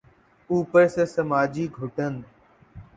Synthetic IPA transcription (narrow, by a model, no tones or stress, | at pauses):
uːpəɾseːsəmaːd͡ʒiːɡʱoʈən